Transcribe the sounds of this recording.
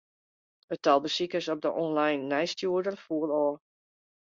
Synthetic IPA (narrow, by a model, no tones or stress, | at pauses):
ətɔlˠbəsikəsɔp̚dəʔɔnlajnːɛjstjuədərfuəlɔː